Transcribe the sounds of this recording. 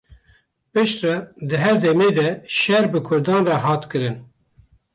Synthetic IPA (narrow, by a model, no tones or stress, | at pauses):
pɨʃt̪rɑd̪ɨɦɛɾd̪ɛmeːd̪ɛʃɛɾbɨkʰʊɾd̪ɑːnrɑɦɑːt̪kɨɾɨn